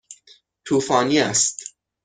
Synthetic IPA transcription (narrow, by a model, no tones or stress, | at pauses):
tʰufãnjɛst